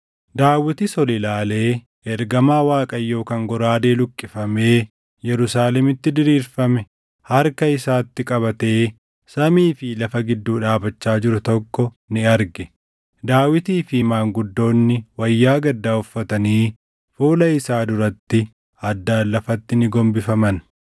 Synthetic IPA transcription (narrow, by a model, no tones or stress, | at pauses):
d̪aːwɪt̪ɪsɔlɪlaːle̞ː | ɛɾɡɐmaːwaːkʼɐjːo̞ːkɐŋɡɔɾaːd̪e̞ːlʊkʼːɪfɐme̞ː | jɛɾʊsaːlɛmɪt̪ːɪd̪ɪɾiːɾfɐmɛ | hɐɾkɐɪsaːt̪ːɪkʼɐβɐt̪e̞ː | sɐmiːfɪlɐfɐɡɪd̪ːuːᶑaːbɐt͡ʃːaːd͡ʒɪɾʊt̪ɔkːɔ | nɪɐɾɡɛ | d̪aːwɪt̪iːfɪɪmaːŋɡʊd̪ːo̞ːnːɪwɐjːaːɡɐd̪ːaːʊfːɐt̪ɐniː | fuːlɐɪsaːd̪ʊɾɐt̪ːɪ | ɐd̪ːaːlːɐfɐt̪ːɪnɪɡɔmbɪfɐmɐn